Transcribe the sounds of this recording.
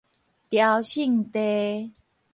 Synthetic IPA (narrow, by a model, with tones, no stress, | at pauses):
t̪ja˧wɕi˥˨ŋt̪e˧